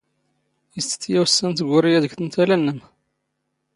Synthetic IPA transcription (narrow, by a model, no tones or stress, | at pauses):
jəsə̥θjæwsːənt̪ɡʷʊɾijæðəɡθənt̪ælænːəm